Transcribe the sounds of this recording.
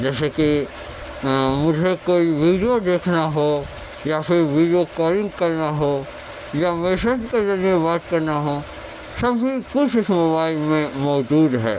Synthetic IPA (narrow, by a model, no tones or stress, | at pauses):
d͡ʒɛːseki | mʊd͡ʒʱekoːiʋiːɖijod̪eːkʰnaɦo | jafɪɾʋiːɖijokɔːlɪ̃ŋɡkɐɾnaɦo | jamɛːsed͡ʒkezɐɾijẽbaːt̪kɐɾnaɦõ | sɐbɦikʊt͡ʃʰɪsmobaːɪlmẽmɔːd͡ʒuːd̪ɦɛ̰ː